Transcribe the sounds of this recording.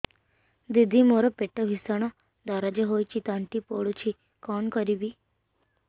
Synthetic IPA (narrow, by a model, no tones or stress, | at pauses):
d̪id̪ʱimoɾɔpeʈːəʋʱisəɳ̃ɔ | d̪aɾad͡ʒeɦojt͡ʃit̪ãɳʈipoɽut͡ʃʰi | kɔɳkɔɾibi